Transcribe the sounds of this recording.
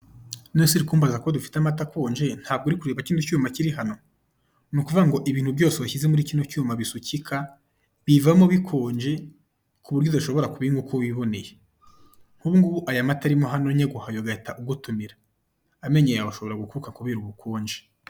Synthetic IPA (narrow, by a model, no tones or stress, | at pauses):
nosiɾikuːmbazako̞dufi̥tamatakoːɲd͡ʒe̞n̥haːb̚ɡuɾikuɾe̞ːβaciːnducuːmaciɾiɦano̞ | nukuvuɡaŋɡo̞ʔiβiːn̥hubjo̞ːseβaçizemuɾiciːnucuːmaβisucikʰa | βivamoβikʰoːɲd͡ʒe̞ | kʰuβuɾjodaʃo̞βo̞ɾakuβiŋɡukoβiβo̞ne̞je | ŋ̥huβuŋɡuʔajamataɾimoɦano̞ɲeɡuhajoɡataʔuɡutumiɾaː | me̞ɲejaβaʃo̞βo̞ɾaɡukuukaŋkuβiɾuβukoːɲd͡ʒe